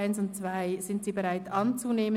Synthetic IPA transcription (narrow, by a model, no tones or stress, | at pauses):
ɪnsʊntt͡sv̥aɪz̥ɪntz̥iːbeʁaɪtʰʔɑnt͡suneːmə